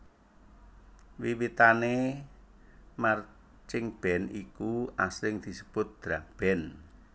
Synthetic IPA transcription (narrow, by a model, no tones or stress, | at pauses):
wiwit̪ane | mar | t͡ʃɪŋb̥ɛ̤nikuaslɪŋd̪̥i̤səb̥ʊt̪̚d̪̥ɾab̥ɛn